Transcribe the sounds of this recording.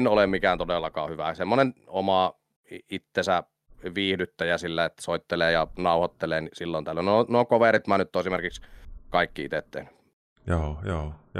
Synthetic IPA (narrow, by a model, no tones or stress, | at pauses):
nolemmikæːnt̪odelːɑkɑ̰ːhyʋæ̰semːonenomɑ | iit̪ːesæ | ʋiːhdyt̪ːæjæsilːæet̪ːsoˑit̪ːeleːjɑnɑˑuhɑt̪ːeleːnisilːont̪ælːønonokoʋerit̪mænːyt̪ːoesimerkikskɑˑikːiḭt̪et̪ːḛhny̥ | joːjoː